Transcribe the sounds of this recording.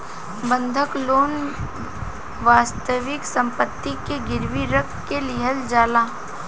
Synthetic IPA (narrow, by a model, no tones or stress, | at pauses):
bə̃nd̪ʱəkloːn | ʋaːst̪əʋɪksɐ̃mpət̪ːikeɡɪɾʋiɾəkkelɪɦəld͡ʒaːlaː